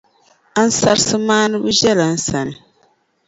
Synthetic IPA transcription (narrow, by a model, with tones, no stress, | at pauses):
a˦n̩˦sa˦ɾsɨ˦maː˦nɨ˦bɨ˦ʒɛ˦la˨n̩˦sa˨nɨ˨